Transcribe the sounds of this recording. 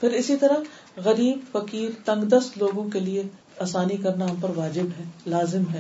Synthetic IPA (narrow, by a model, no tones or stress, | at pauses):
pʰɪɾɪsit̪ɐɾa | ɣɐɾiːbfɐkiːɾt̪ɐ̃ŋɡd̪ɐst̪loːɡõkelie | aːsaːnikɐɾnaʊnpɐɾʋaːd͡ʒɪbɦɛːlaːzɪmɦɛː